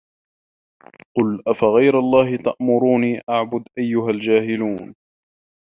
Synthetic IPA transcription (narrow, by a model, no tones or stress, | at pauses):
qʊlʔafaɣajɾalˤːɑːhɪt̪aʔmʊɾuːniːʔaʕbʊd̪ʔajːʊɦald͡ʒaːɦɪluːn